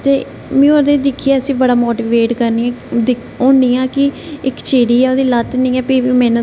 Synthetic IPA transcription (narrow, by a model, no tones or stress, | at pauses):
t̪eː | mɛ̃ːoːɾd̪eːd̪ɪkʰːijaːəsĩːbəɽaːmoːʈiːʋeːʈkəɾniːãːd̪ɪ | oːɳiːãːkɪ | ɪkt͡ʃeːɽiːɛːoːd̪iːlət̪nĩːɛːpiːmɛ̃ːn